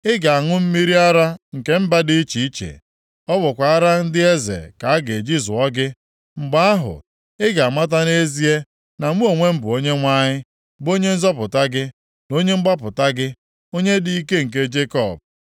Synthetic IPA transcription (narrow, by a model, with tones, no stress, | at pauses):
ɪ˦ɡa˨a˨ŋʊ˦m̩˦mi˦ɾi˦a˦ɾa˦ŋ̩˨ke˦m̩˦ba˦dɪ˦i˦t͡ʃi˨i˦t͡ʃḛ˨ | ɔ˦bʊ˨kʷa˨a˦ɾa˦n̩˦dɪ˦e˦zḛ˨ka˨a˦ɡe˨d͡ʒi˦zʊ˨ɔ˦ɡɪ˦ | ŋ͡m̩˨ɡ͡ba˦a˦ɦʊ̰˨ | ɪ˦ɡa˨a˨ma˦t̬a˦ne˦zi˦e˦ | na˨mu˦o˨ŋʷe˦m̩˦bʊ˨o˦ɲe˦ŋʷa˦ɲɪ˦ | bo˦ɲe˦n̩˦zɔ˦pʊ˨ta˦ɡɪ˦ | no˦ɲe˦ŋ͡m̩˦ɡ͡ba˦pʊ˨ta˦ɡɪ˦ | o˦ɲe˦di˦i˦ke˦ŋ̩˨k̬e˦d͡ʒe˦kɔ˦˨b̚